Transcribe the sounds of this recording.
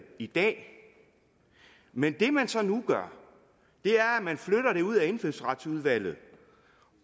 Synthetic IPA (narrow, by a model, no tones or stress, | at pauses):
id̥ɛ̰ː | mend̥e̝mænsɒ̽nuɡ̥ɶɐ | d̥e̝æɐæmænfløɾ̥ɐɾ̥e̝uð̰ˠæe̝nfelsʁɑd̥suð̞ˠʋæl̰ð̞̩ˠ